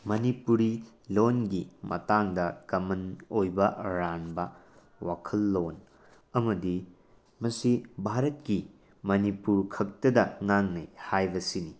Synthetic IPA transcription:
mɐnipuɾi | lonɡimɐ̰taŋdɐkɐmɐnojbɐɾanbɐ | wa̰kʰɐlːon | ɐmɐdi | mɐsibʱaɾɐt̚ki | mɐnipuɾkʰɐk̚tɐdɐŋaŋnɐ̰jhajbɐsini

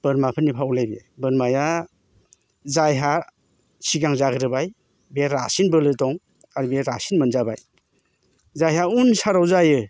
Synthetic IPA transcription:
b̥əɾmapʰɯnːipʰawlajbi | bɯɾmaja | zajɦa | siɡaŋzaɡɯɾɯbaj | beɾasinbɯlɯtɔŋ | aɾibeɾasinmənzaba̰j | zajɦaunsaɾawzajɯ

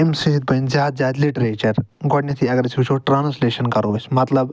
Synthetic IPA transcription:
emsiɦid̪̚bɐjnzaːd̪̚zaːd̪liʈɾeːt͡ʃɐɾɡɔʈnit̪ʰĩɐɡɐɾɐt͡ʃʰiit͡ʃʰoʈɾaːnsleːʃɐnkɐɾoʋɐsmɐt̪lɐb

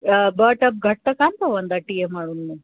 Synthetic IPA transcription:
bɐʈɐb̚ɡʱɐʈ̚t̪ɐkaːnt̪ɐʋɐnd̪aʈijemaːɽunːu

